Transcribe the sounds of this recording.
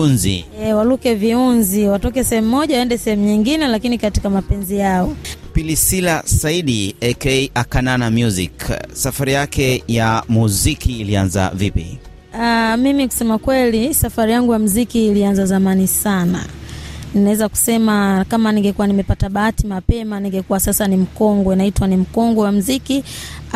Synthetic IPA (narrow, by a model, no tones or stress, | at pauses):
nzḭɛwalukɛviunziwatɔkɛsɛhɛmumɔʄawaɛndɛsɛhɛmuɲiŋɡinɛlakinikati̥kamapɛnzijaɔpilisilasaiɗiɛkɛiʔakananamjuzḭksafaɾijakɛjamuzikiːlianza̰vipḭ | amimiku̥sɛmakwɛlisafaɾijaŋɡujam̩zikiːlianzazamanisana̰ninawɛzaku̥sɛmakamaniŋɡɛkuwanimɛpataɓaatimapɛmaniŋɡɛkuwasasanim̩kɔŋɡwɔinaitwanim̩kɔŋɡɔwam̩ziki